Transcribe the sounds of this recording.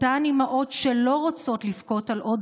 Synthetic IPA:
animaʔo̞tʃelo̞ʁot͡so̞t̪lifko̞talʔo̞d

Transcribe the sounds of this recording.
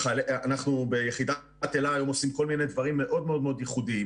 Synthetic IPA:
aleanaχnubejeχid̪a | t̪elaːjo̞mo̞simko̞lmined̪vaʁimːe̞ʔo̞d̪meo̞d̪meo̞d̪jeχud̪i

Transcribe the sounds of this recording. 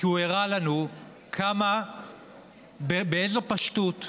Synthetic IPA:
kiueʁalanu | kʰama | bebeejzo̞paʃtut

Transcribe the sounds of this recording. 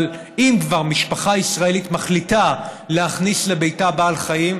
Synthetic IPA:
l | imkvaʁmiʃpaχaisʁae̞litmaχlita | leaχnisle̞bejtabaːlχajim

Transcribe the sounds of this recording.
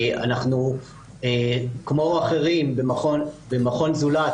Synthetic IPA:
a̰naχnu | ekmo̞aχe̞ʁimbemaχonbemaχo̞nzulat

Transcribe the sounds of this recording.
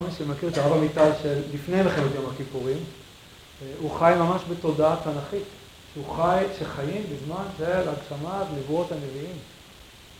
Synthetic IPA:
miʃemakiʁet̪aʁavamitalʃe̞lːifne̞jmeχemot̪jo̞mhakipuʁim | uχajmamaʃbeto̞daathanaχit | ʃeuχajʃeχajimbezmanʃelaɡʃamatnevuo̞thane̞viim

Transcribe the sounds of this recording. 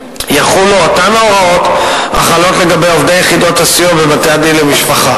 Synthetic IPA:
jaχulootamaoʁao̞ta̰χalo̞tle̞ɡabe̞jovd̪ejeχido̞tasijovebateadilemiʃpaχa

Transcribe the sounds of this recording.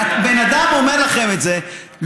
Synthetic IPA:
benad̪amo̞meʁlaχe̞metze | l

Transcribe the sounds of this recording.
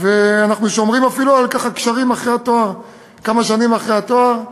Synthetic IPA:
veanaχnuʃo̞mʁimafilualkaχakʃaʁimaχʁejat̪oaʁ | kamaʃanimaχʁejat̪oaʁ

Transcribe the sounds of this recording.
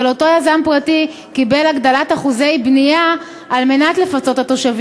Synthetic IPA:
loto̞jazampʁati | kibe̞laɡdalataχuze̞jbnijaː | lme̞natle̞fat͡so̞tato̞ʃav

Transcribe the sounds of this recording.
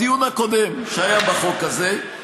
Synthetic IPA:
ijunako̞d̪emʃeajabaχo̞kaze

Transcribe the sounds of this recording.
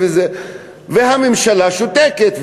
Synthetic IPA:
veze | veɦamemʃalaʃot̪eket̪v

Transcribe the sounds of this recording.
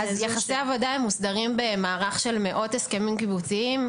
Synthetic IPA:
azzjaχaseavo̞daemːusdaʁimbe̞maːʁaχʃe̞lmeʔo̞teskemimkibut͡siim

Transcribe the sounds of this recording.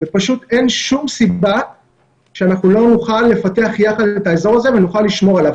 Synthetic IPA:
vepaʃut̪e̞nʃumsiba | ʃeanaχnulo̞nuχalːe̞fate̞aχjaχad̪e̞t̪aezo̞ʁazevenuχalːiʃmo̞alav

